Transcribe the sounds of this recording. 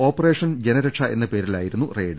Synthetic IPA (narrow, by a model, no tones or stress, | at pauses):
o̞ːpːɐreːʂɐnd͡ʑenɐɾeʈʂɐʔe̞nːɐpe̞ːɾilaːjiɾunːureːɖ